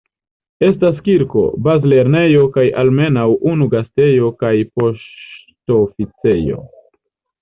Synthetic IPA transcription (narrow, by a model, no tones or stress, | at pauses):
e̞stas̬kiɾko̞̰bazle̞ɾne̞jo̞kajʔalme̞nawunuɡaste̞jo̞kajpo̞ʃ | tofit͡se̞jo̞̰